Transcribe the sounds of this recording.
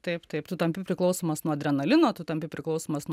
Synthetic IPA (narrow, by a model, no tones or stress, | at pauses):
t̪ɐɪpt̪ɐɪpt̪ʊt̪ɐmʲpʲɪpʲɾʲɪklˠɐʊsoːmɐsnuɔd̪ʲɾʲɛnɐlʲɪnoːt̪ʊt̪ɐmʲpʲɪpʲɾʲɪklˠɐʊsoːmɐsnu